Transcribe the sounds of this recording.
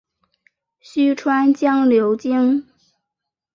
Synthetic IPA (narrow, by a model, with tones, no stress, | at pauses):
ɕy˥ʈ͡ʂʰwa˥nt͡ɕjɑ˥ŋljo˧˥ʊt͡ɕi˥ŋ